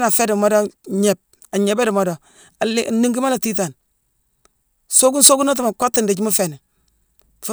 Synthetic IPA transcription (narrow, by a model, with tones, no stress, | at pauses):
na˨fe˦du˨mo˦do˦ɲe˨p̚ | a˨ɲe˨be˦du˨mo˦do˨ | a˨l̰nːi˦ŋɡi˦ma˦la˨ti˦t̬a˨n | so˦ku˦nso˦ku˦no˦t̬i˨ma˨kʷa˦tːi˦nde˨t͡ʃi˦mu˦fe˨ni˨ | fu˦